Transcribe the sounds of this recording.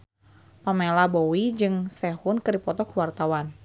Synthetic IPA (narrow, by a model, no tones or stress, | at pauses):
pamelabɔwid͡ʒɨŋsɛhunkɨrdipɔt̪ɔkuwart̪awan